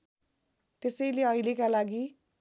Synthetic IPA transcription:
t̪esʌjleʌilekalaɡi

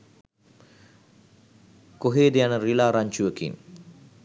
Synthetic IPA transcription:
koɦeːd̪ejanəɾilaːɾaɲt͡ʃuəkḭŋ

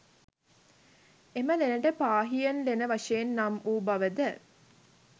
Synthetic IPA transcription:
eməlenəʈəpaːɦijɐnlenəʋɐʂejenːamuːbɐʋəd̪ə

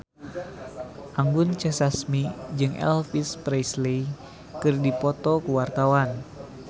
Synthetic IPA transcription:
ʔaŋɡʊnt͡ʃɛsasmid͡ʒɨŋɛ̰lfispɾɛjsle | kɨrdipɔt̪ɔkəwart̪awan

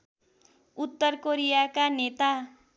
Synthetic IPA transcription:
ut̪ːʌrkoɾijakanet̪a

